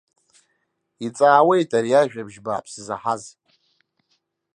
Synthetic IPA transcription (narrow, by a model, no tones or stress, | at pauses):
it͡sʼaːwe̞jtʰʼaɾijaʒᶣabʒbaːpʰsɨzaħaz